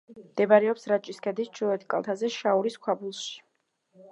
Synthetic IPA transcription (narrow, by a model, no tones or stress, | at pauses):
md̪̥ɛbaɾɛɔpsɾat͡ʃʼiskʰɛd̪ist͡ʃʰuɛt̪ʰkʼa̰lˠt̪ʰazɛʃauɾiskʰwabulˠʃi̥